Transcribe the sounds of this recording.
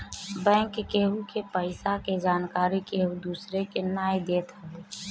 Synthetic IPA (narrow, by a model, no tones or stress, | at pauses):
bɛ̃ːŋkkeːɦukepəɪsaked͡ʒaːnkaːɾikeːɦud̪uːsɾekenaːjd̪eːt̪ɛ